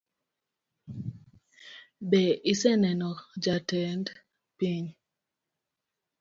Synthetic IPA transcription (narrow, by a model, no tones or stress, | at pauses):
bɛʔisɛnɛnɔkd͡ʒatɛnd | piɲ